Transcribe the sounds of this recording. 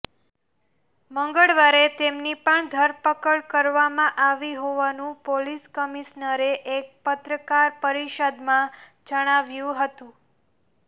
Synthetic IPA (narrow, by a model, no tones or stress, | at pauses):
məŋɡəɭʋaɾet̪emnipəɳd̪ʱəɾpəkəɭkəɾʋamãʔaʋiɦoʋanũpoliskəmiʃnəɾeʔek̚pət̪ɾəkaɾpəɾiʃəd̪mã | d͡ʒəɽ̃aʋjũɦət̪ũ